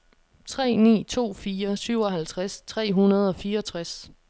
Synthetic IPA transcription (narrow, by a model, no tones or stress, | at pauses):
t͡sʰʁɛ̰ːnḭːt͡sʰo̝̰ːfiːɐsyʊɒ̽ɦælt͡sʰʁast͡sʰʁɛ̰ːɦunɐð̞ˠɒ̽fiːɐɒ̽t͡sʰʁas